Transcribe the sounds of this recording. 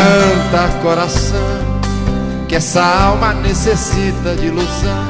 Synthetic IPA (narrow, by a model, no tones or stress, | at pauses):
ɐ̃t̪ɐkoɾasɐ̃w̃ | kɪɛsɐawmɐnesesit̪ɐd͡ʒiluzɐ̃